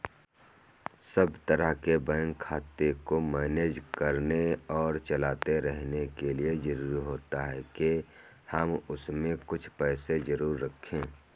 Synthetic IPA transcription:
səbt̪əɾəɦkebɛ̃ːŋkʰːaːt̪ekomɛːneːd͡ʒkəɾneɔːɾt͡ʃɐlaːt̪eɾɛɦnekeliezəɾuːɾiɦoːt̪aɦɛke | həmʊsmẽkʊt͡ʃʰpɛːsezəɾuːɾːəkʰːẽː

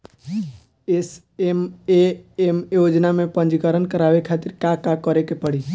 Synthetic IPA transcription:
es | emeemjod͡ʒnamẽpə̃nd͡ʒkəɾənkəɾaʋekʰat̪ɪɾkakakɔɾekepəɽi

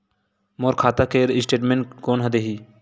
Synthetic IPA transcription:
moːɾkʰaːt̪akeːɾɪsʈeːʈmẽɳkoːnɦəd̪eɦiː

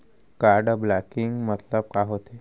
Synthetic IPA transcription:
kaɾɖblakiŋɡmət̪ləb̚kaɦot̪e

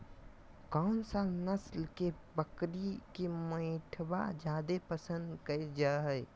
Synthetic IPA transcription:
kaʊnsaːnəslke | bəkɾikemə̃jʈʰba̰d͡ʒaːd̪epəsə̃nd̪kəed͡ʒaɦəj

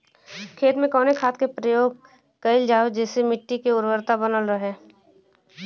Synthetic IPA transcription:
kʰeːt̪mẽkɔːnekʰaːt̪kepɾəjoːɡ̚ | kɐɪld͡ʒaːod͡ʒɛːsemɪʈːikeʊɾwəɾt̪abənəlɾəɦeː

